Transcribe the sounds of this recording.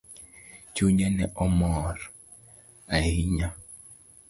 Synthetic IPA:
t͡ʃuɲanɛ̰ʔɔmɔɾ | aiɲa

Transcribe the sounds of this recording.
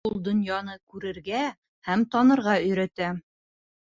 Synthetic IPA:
ulˠd̪ŏnjɑnɤkʉɾɘ̆ɾɡæ | hæmt̪ɒnɤ̆ɾʁɑɵ̆jɾæt̪æ

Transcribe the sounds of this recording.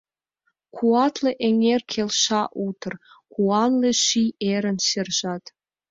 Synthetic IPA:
kʰuɑt̪ʰleʔeŋʲerkʲʰelʃɑʔut̪ʰə̆r | kʰuɑnleʃieɾə̆nɕerʒɑt̪

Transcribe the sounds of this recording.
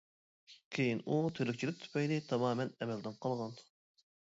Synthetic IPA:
kʲʰejinut̪ʰøɾyk̚ʲt͡ʃʰilɪk̚t̪ʰu̥pɛjd̪ɪt̪ʰɑmɑːmɛnɛmɛld̪ɪnqʰɑlˠʁɑn

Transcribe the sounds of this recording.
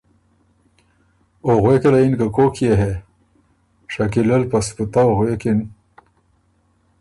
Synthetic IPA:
oɣwekelainkakokʰjeɦe | ʂakilelpasput̪aoɣwekin

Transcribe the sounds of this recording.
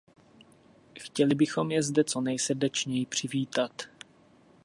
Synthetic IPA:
xcɛlɪbɪxo̞mjɛzdɛt͡so̞nɛjsr̩dɛt͡ʃɲɛjɪpr̝̥ɪviːt̪at̪

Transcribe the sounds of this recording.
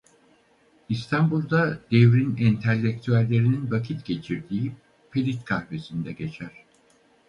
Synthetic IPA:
ist̪ʰanbulˠd̪ad̪̥evɾinɛnt̪ʰɛlʲːec̚t̪ʰyælʲːe̞ɾininvacʰit̪ɟ̥e̞t͡ʃʰiɾd̪iːi | pʰelʲit̪kʰahbe̞sind̪ɛɟe̞t͡ʃʰæɾ̥

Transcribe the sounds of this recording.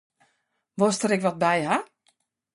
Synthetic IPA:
ʋostəɾɪkʋɔt̚bɛjɦa

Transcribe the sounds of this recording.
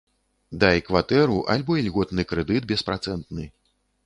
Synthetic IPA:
d̪ajɛkvat̪ɛɾuʔa̰lʲbɔilʲɣɔt̪nɨkɾɛd̪ɨt̪̚bʲɛspɾat̪sɛnt̪nɨ

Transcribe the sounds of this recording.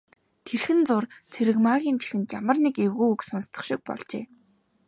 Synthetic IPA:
t̪ʰerxɘ̆nt͡sʊrt͡sʰeɾɘ̆kmaɣʲiːnt͡ɕʰi̥xɘ̆nt̪jamə̆rnikewɣuːuksɔnst̪ə̥̆χʃɪ̆k̚pɔ̰ɮt͡ɕḛː

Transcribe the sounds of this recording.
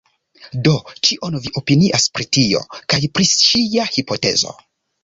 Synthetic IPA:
dot͡ʃiʔonviʔo̞piniʔaspɾitio̞̰kajpɾit͡ʃiahipʰote̞̰zo̞̰

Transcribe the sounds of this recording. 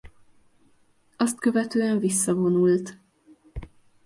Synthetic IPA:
ɒst̪kø̞vɛt̪øːɛɱvisːɒvo̞nult̪

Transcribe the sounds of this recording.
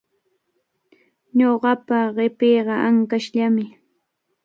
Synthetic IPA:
ɲoɢɑpaɢɪpeːɢɑʔaŋkaʃʎamɪ

